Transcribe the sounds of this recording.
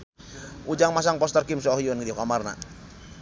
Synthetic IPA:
ud͡ʒaŋmas̬aŋpɔst̪ərkimsɔɦiɔnkidikamarna̰

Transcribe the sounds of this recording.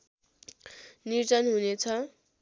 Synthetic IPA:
niɾd͡zʌnɦunet͡sʰʌ

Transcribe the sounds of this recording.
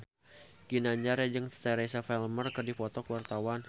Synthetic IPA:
ɡ̥inaɲd͡ʒaɾjad͡ʒəŋt̪ɛɾesafɛlmərkərdipɔt̪ɔkwart̪awan

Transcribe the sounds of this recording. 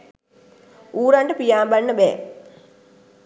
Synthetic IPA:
uːɾaɳɖəpijaːmbanːəbɛ̰ː

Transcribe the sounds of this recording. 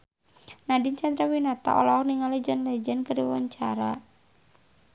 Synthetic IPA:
nadint͡ʃand̪ɾawinat̪a̰ʔɔ̰lɔɔniŋalid͡ʒɔnlɛd͡ʒɛnkəɾiwa̰ɲt͡ʃa̰ɾa

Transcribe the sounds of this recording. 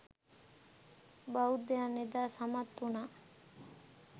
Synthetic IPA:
baud̪eaned̪aːsamat̪ːuna

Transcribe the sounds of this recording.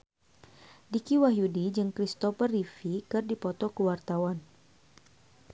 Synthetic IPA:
dikiwaɦjudid͡ʒɨŋkɾist̪ɔfərifikɨrdipɔt̪ɔkəwart̪awan

